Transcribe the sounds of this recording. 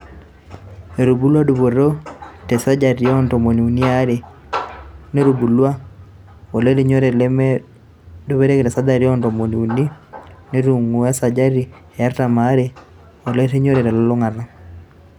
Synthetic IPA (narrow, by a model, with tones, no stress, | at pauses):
e˨ɾu˨bu˦lwa˦du˨βo˨ɾo˦te˨sa˦d͡ʒa˨ɾjɔ˦nto˨mo˨ni˨u˨ni˦a˦ɾe˨ | ne˦ɾu˨bu˨lwa˦ | o˨le˦ɾe˨˦ɲo˦ɾe˨lm | du˦βe˦ɾe˦ki˨tɛ˨sa˦da˨ɾjɔ˦ntɔ˨mo˨ni˨u˨ni˦ne˦ɾu˨ŋu˨a˦sa˨d͡ʒa˦ɾi˨ | e˨ja˦ɾta˨ma˨˦ɾe˨ | o˨le˦ɾe˦ɲo˦ɾe˨ɾɛ˨lɔ˦lɔ˦ŋa˨ɾa˦